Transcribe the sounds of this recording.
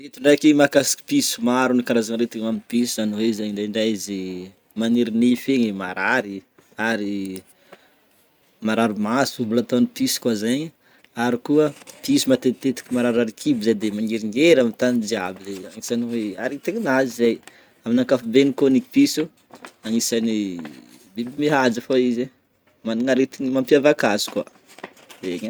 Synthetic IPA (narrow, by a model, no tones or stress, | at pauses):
et̪uɳɖ͡ʐakimakasi̥ki̥pisumaɾunikaɾazanɾet̪iamipiszanwezaɲiɳɖ͡ʐajɳɖ͡ʐajzi | maniɾinifeɲema̰ɾaɾi | aɾi | maɾaɾumasumbulat̪anipisi̥kazaɲ | aɾikuəpisumat̪et̪et̪i̥kimaɾaɾaɾikʰibizajd̪emaŋeɾiŋɡeɾamit̪anid͡ʒiabileaŋisaniweaɾit̪iɲinazizaj | aminakafubenikoniki̥pisu | aŋisani | bibimiɦad͡zafoize | maniŋaɾet̪inimampjavakazi̥kwa̰ | veɲa